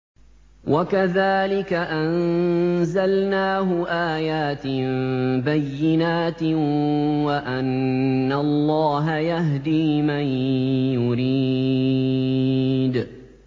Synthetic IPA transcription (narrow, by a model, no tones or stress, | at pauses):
wakaðaːlɪkaʔanzalnaːɦʊʔaːjaːt̪mbajːɪnaːt̪ | waʔanːalˤːɑːɦajaɦd̪iːmajjʊɾi | d̪